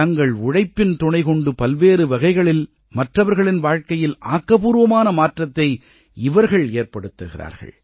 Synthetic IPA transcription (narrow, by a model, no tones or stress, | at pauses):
ɐŋɡɐɭʊɽɐɪpːɪnt̪ʊɳɐɪkɔɳɖɯpɐlʋeːɾɯʋɐɣɐɪɣɐɭɪl | mɐʈrɐʋɐɾɣɐɭɪnʋaːɻkɐjɪlʔa̰ːkːɐpuːɾʋɐmaːnɐmaːʈrɐt̪ːɐɪ | ɪʋɐɾɣɐɭeːɾpɐɽɯt̪ːɯɣɪ̰ra̰ːɾɣɐ̰ɭ